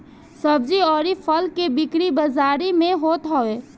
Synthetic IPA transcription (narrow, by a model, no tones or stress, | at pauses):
səb̚d͡ʒiɔːɾipʰəlkebikɾibəzaːɾimẽɦoːt̪ɦɔe